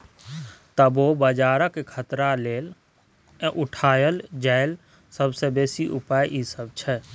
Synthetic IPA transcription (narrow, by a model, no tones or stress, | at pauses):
t̪əboːbəd͡ʒaːɾəkekʰət̪ɾaleːl | ʔʊʈʰaːjəld͡ʒəːɪl | səbsebeːsiʔʊpaːjʔisəb̚t͡ʃʰɛ